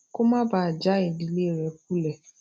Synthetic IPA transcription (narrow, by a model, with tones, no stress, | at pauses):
ko˦mã˦ba˦˨a˨d͡ʒa˦e˨di˨le˦˨ɾɛ˨k̚u˦lɛ˨